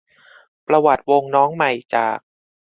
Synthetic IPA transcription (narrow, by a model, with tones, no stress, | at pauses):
pɾa˧wa˨˩t̪̚wo˧ŋnɔː˦˥ŋma˨˩jt͡ɕa̰ː˨˩k̚